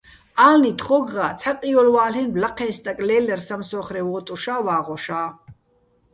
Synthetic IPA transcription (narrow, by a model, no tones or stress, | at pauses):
alnit̪χɔɡʁaːt͡sʰaqʼiɔlwaːlɛnblaqʰɛːnst̪ʼakʼlɛːlɛrsamsɔːχɾɛwɔːt̪ʼuʃaːvaːʁɔʃaː